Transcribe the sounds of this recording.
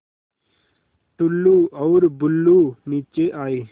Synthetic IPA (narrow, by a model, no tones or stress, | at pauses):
ʈʊlːuːɔːɾbʊlːuːniːt͡ʃeʔaːiː